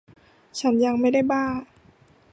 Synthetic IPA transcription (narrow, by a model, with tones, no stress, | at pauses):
t͡ɕʰa˦˥nja˧ŋma˥˩jda˥˩jbaː˥˩